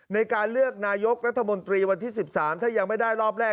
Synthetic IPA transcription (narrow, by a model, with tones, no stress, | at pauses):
na˧jkaː˧nlɯ˥˩ək̚naː˧jo˦˥k̚ɾa˦˥t̪ʰːa˧mo˧nt̪ɾiː˧wa˧nt̪ʰiː˥˩si˨˩p̚saː˩˦mt̪ʰaː˥˩ja˧ŋma˥˩jdaː˥˩jɾɔː˥˩p̚ɾɛː˥˩